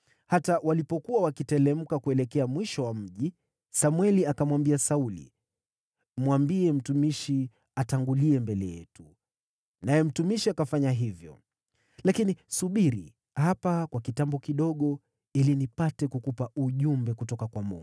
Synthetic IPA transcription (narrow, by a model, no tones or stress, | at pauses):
hatawalipɔkuwawakitɛlɛm̩kakuɛlɛkɛamwiʃɔwam̩ʄi | samwɛliakamwambiasaulḭ | m̩wambiɛm̩tumiʃi | ataŋɡuliɛmbɛlɛjɛ̰tu | najɛm̩tumiʃiakafaɲaɦivjɔ̰ | lakinisuɓiɾḭ | hapakwakitambɔkiɗɔɠɔ | ilinipatɛkukupauʄumbɛkutɔkakwamɔ̰